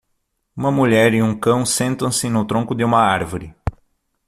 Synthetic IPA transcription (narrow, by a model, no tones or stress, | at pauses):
ũmɐmuʎɛɾiũŋkɐ̃w̃sẽnt̪ɐ̃w̃sɪnʊt̪ɾõŋkʊd̪ɪũmɐaɾvʊɾɪ